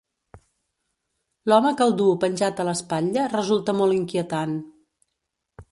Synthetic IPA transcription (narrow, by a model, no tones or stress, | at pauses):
lɔməkəlˠd̪upənʲʒat̪ələspaʎərəzulˠt̪əmɔlˠiŋkiət̪an